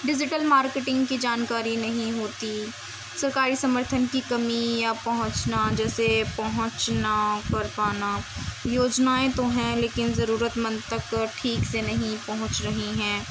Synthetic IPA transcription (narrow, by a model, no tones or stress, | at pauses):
ɖɪd͡ʒɪʈəlmaːɾkeʈɪ̃ŋɡkid͡ʒaːnkaːɾinɐɦĩɦoːt̪i | sɐɾkaːɾisɐməɾt̪ʰənkikɐmijapɐɦʊ̃t͡ʃnad͡ʒɛːsepɐɦʊ̃t͡ʃnakɐɾpaːnajoːd͡ʒnaːẽt̪oɦɛ̃leːkɪnzɐɾuːɾət̪mə̃nd̪t̪ɐkʈʰiːksenɐɦĩpɐɦʊ̃t͡ʃɾɐɦiɦɛ̃ː